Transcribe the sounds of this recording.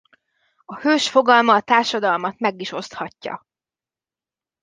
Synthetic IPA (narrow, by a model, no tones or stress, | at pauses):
ɒhøːʃfo̞ɡɒlmɒːt̪aːrʃɒd̪ɒlmɒt̪mɛɡiʃo̞st̪hɒcːɒ̰